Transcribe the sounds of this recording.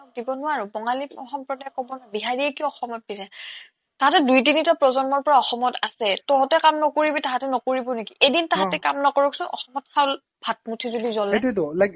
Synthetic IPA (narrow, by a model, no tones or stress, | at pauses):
ɔdibɔnʊwaɹubɔŋaliɔxɔmpɹɔdajkɔbɔnabiɦaɹiɛkiɔxɔmɔt̚pisɛ | taɦatɛdujdinitapɹɔzɔnmɔɹpɔɹaɔxɔmɔtasɛtɔɦɔtɛkamnɔkoɹibitaɦatɛnɔkoɹibɔnekiʔejdintaɦatɛkamnɔkɔɹɔksɔ̃ʔɔ̰xɔmɔtsawl | b̥ʱat̚mutʰizodizɔlɛtudɔlaɡ